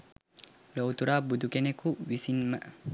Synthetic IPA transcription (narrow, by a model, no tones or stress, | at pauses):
lowt̪uɾaːbud̪ukenekuwisinmɐʔ